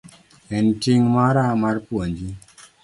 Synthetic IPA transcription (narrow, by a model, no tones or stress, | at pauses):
ɛntiŋmaɾamaɾpwond͡ʒi